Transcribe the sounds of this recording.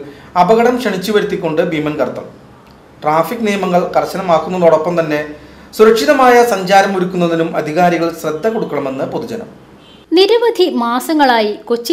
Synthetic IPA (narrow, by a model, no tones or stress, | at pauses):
ɐbɐɣɐɽɐmkʂɐɳit͡ɕːuʋɐɾut̪ːikʲːo̞ɳɖɨbimɐnkɐrt̪ːɐ̰m | ʈraːfikːnijɐmɐŋːɐɭkɐrɕɐnɐmaːkːunːɐðuoɽɐpːɐmt̪ɐnːe̞ | suɾɐkʂiðɐmaːjɐsɐɲd͡ʑaːɾɐmuɾukʲːunːɐðinumʔɐ̰d̪ʱiɣaːɾiɣɐɭɕrɐd̪ʱːɐko̞ɽukːɐɳɐme̞nːɨpoðud͡ʑɐnɐ̰m | niɾɐʋɐd̪ʱimaːsɐŋːɐɭaːjikot͡ɕːi